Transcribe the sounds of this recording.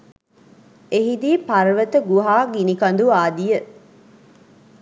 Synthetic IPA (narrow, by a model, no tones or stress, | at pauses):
eɦid̪iːpaɾʋət̪əɡuɦaːɡinikɐnd̪uaːd̪ijə